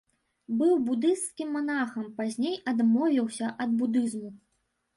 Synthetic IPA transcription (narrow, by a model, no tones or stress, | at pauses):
bɨwbud̪ɨst̪skʲimːanaxɐmpazʲnʲejɐd̪mɔvʲiwsʲɐʔɐd̪̚bud̪ɨzmu